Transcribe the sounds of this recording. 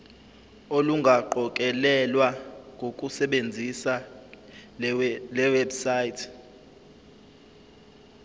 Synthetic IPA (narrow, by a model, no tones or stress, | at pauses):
oluŋɡʱaǃɔkʼɛlɛlwaŋɡʱokʼusɛɓend͡zʱisa | lɛwɛbsaːitʰ